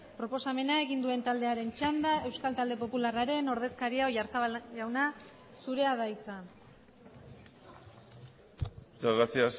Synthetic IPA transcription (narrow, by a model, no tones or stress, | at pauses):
pɾo̞po̞same̞nae̞ɣind̪ue̞nt̪ald̪e̞aɾe̞nt͡ʃand̪ae̞wskalt̪ald̪e̞po̞pularaɾe̞no̞ɾðe̞skaɾiaoʝaɾt̪aβaʝawna | suɾe̞aðajt͡sa | t͡saɣasias